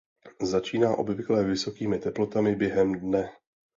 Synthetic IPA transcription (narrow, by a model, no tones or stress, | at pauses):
zat͡ʃiːnaːʔo̞̰bvɪklɛvɪso̞kiːmɪt̪ɛplo̞t̪amɪbjɛɦɛmdnɛ